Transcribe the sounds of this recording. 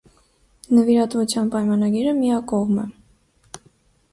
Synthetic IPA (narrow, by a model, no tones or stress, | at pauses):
nəviɾɑt̪vut͡sʰjɑnpɑjmɑnɑɡiɾəmijɑkɔʁmɛ